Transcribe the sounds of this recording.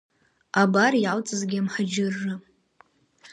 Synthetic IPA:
abarialt͡sʼɨzɡʲamħad͡ʒɪrːɨ

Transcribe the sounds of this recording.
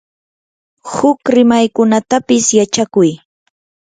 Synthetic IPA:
hʊkɾɪmajkʊnat̪apɪsjat͡ʃakʊj

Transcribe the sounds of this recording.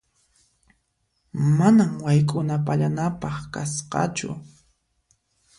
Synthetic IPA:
manamwajkʼʊnapaʎanapɑχkasqɑ̰t͡ʃʊ̰

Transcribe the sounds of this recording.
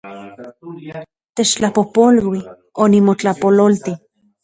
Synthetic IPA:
t̪et͡ʃt͡ɬapopolwi | onimot͡ɬapololt̪i

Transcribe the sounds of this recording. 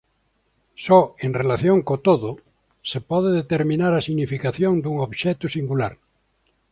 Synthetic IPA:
sɔeŋrelaθjoŋkot̪oðʊ | sepɔðeðet̪eɾmĩnaɾasiɣnifikaθjoŋd̪uŋoβʃɛt̪usiŋɡulaɾ

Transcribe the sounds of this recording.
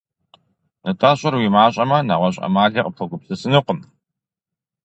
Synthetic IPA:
nɨtʼaːɕʼɐrwimaːɕʼɐmɐnaʁʷɔɕʼɐ̰maːɮiːqʼəpʰɐɡʷʊpsɨsɨnɨqʷʊm

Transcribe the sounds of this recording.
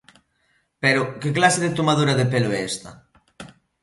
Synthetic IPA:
peɾʊkeklaseðet̪omað̞uɾaðepeloɛɛst̪ɐ̰

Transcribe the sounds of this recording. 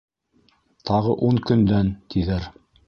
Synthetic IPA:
t̪ʰɑʁɤʔuŋkɵ̆nd̪ænt̪iðæɾ

